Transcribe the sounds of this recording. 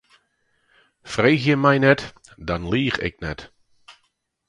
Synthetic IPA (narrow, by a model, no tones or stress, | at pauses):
frejxjəmɛjnɛt | dɑnliːχɪ̰knɛt